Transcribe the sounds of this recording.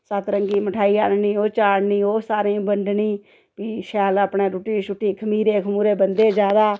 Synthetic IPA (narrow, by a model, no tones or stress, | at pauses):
sət̪ɾəŋɡiːməʈʰaːiːa̰ːnniːoːt͡ʃaːɽniːoːsaːɾẽːbəɳɖnĩː | piːʃɛːləpɳẽːɾuːʈiːʃʊʈːiːkʰəmiːɾeːkʰmuːɾeːbənd̪eːd͡ʒjaːd̪aː